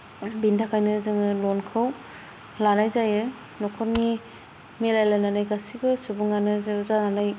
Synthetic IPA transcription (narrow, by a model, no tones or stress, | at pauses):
bindakʰajnɯzɯŋɯlɔnkʰɯw | lanajzajɯ | nɔkʰɔɾni | melajlananajɡasiɡɯsubɯŋanɯzɯzananaj